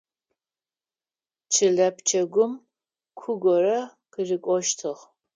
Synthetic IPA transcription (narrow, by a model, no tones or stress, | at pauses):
t͡ʃʰɨɮɐpt͡ʃʰɐɡʷʊm | kʷʰʊɡʷɔrɐqɨrɪkʷʼɔʃtʰɨʁ